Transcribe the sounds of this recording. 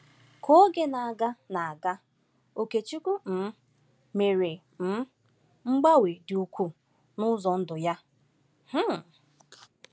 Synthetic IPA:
ko˦ɡe˨na˨a˨ɡa˦na˨a˨ɡa˦ | o˨ke˨t͡ʃi˦ku˦m̩˨˦ | me˨ɾe˨ | m̩˦ | ŋ͡m̩˦ɡ͡ba˦we˨dɪ˨u˨kʷu˦ | nʊ˦zɔ˨n̩˦dʊ˨ja˦ | h̩˦˨

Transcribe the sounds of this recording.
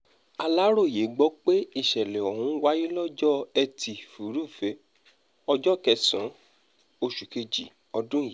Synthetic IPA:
a˧la˦ɾo˦˨je˨˦ɡ͡bɔ˦k͡pe˦i˦˨ʃɛ˨lɛ˨ɔ˨hũ˨˦wa˦ji˦lɔ˦d͡ʒɔ˦ɛ˧tʰi˨fu˨˦ɾu˦˨fe˨˦ | ɔ˧d͡ʒɔ˦˨kɛ˧sã˨˦ | o˧ʃu˨ke˧d͡ʒḭ˨ | ɔ˧dũ˦˨je˨˦

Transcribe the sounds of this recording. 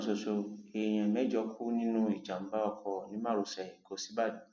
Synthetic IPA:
so˧ʃo˧e˨j̃ɛ̃˧mɛ̃˨˦d͡ʒɔ˧˦kʰu˦nĩ˦nũ˦i˨d͡ʒa˨m̩˦ba˦ɔ˧kʰɔ˧nĩ˨˦mã˦˨ɾu˨˧sɛ˨i˨ko˧˦si˦ba˦˨dĩ˨˦

